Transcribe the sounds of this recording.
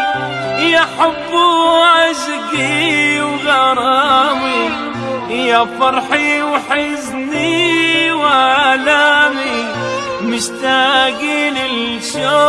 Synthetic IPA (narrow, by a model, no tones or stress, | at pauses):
ʔɪjaħabːuʕaʒɡiwɡɑɾˤɑmi | jafɑɾˤħiwħɪz | niwʕalami | mɪʃt̪aɡilɪl | ʃo